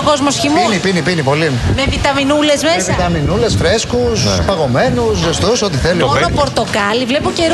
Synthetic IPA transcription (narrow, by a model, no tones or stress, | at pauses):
ko̞zmosçiminipinipinipo̞limevit̪ɐminulezmesit̪ɐminule̞sfɾe̞skuspɐɣo̞me̞nusost̪osot̪iθelimonopo̞ɾt̪o̞kɐlivlepoce̞ɾ